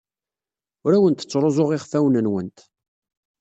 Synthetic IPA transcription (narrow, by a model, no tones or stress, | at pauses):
ʊɾæwənt̪ə̥t͡sːɾˤozˤoʁɪχfæwnənwənt̪